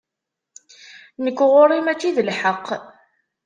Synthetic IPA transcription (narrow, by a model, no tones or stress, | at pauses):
nəkʷːʁʊɾˤimæt͡sːiðəlħəqː